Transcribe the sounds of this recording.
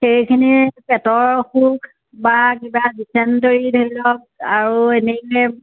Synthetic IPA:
xejkʰinipɛtɔɹxukʰ | bak̬ibadisʰɛntoɹidʰʱoilɔk̚aɹuɛnɛkɛ

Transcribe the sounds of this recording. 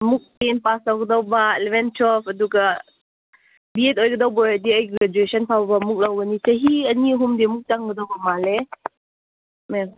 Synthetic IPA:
muk̚penpasawɡədɔwbalɛbɛnt͡ʃʰɔpʰəduɡa | biɛtojkədɔwbɔjadiəjɡɾɛd͡ʒuesɔnpʰawbamuk̚lawbənisəɦiəniəɦumdimuk̚t͡ʃaŋɡədɔwbamalɛ | mɛ

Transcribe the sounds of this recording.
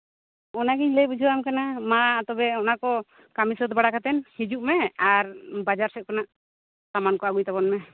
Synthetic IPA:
ɔnaɡiɲlɛjbud͡ʒʱuwamkanamaːt̪ɔbɛɔnakɔ | kamisɔt̪baɽakat̪ɛnhid͡ʒuʔmɛaɾbad͡ʒaɾsɛt̪̚kanaʔ | samankɔaɡujt̪abɔnmɛ

